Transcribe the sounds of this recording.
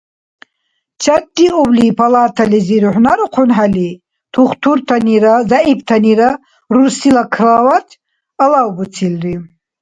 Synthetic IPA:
t͡ʃʰad̪ːiɔblipʰalaːt̪ʰaliziɾuħnaɾuqʰɔnħali | t̪ʰuχt̪ʰuɾt̪ʰaniɾazaip̚ʰt̪ʰaniɾa | rusilakʰravat̪ʰ | alawbut͡sʰilri

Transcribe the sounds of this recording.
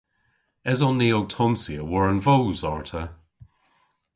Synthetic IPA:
ɛzɔnːiːowtʰɔmsiəwəɹənvowzɔɹtʰə

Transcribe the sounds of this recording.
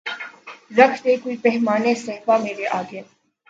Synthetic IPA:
ɾəkʰt̪eːkoipɛɦmaːnesəɦfameːɾeʔaːɡeː

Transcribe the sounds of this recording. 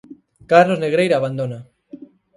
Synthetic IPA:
kaɾlozneɣɾejɾaːβand̪ona

